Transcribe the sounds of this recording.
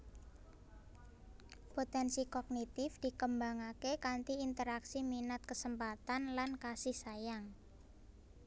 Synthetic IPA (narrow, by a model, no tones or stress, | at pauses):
pot̪ɛnsikɔɡ̚nit̪ɪfd̪̥i̤kəmbaŋakekant̪iint̪əɾaksiminat̪̚kəsəmpat̪anlankasɪhsajaŋ